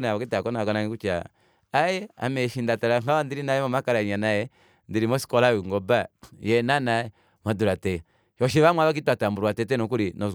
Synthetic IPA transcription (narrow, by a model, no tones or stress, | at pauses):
naaakitakɔnakɔnaŋikut͡ʃa̰ | ajɛa̰mɛʃindataɾaŋaandiɾinajɛmɔmakaɾaiɲanajɛ | ndiɾimɔsi̥kɔlawuŋɡɔbajɛnanajɛ | maduɾatɛ | ʃɔʃ̬iβamwaβak̬ituatambuɾwatɛtɛnɔk̬uɾinɔ